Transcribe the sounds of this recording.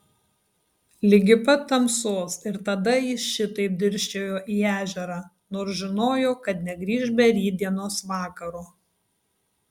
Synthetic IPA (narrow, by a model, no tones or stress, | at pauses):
lʲɪɡʲɪpɐt̪ɐmsoːsɪɾt̪ɐd̪ɐjɪsʃʲɪt̪ɐɪp̚d̪ʲɪɾʲʃʲt͡ʃʲoːjoːʔiːæːʒʲɛɾɑː | noːɾsʒʲɪnoːjoːkɐt̪nʲɛɡɾʲiːʒʲbʲɛɾʲiːd̪ʲiɛnoːsʋɑːkɐɾoː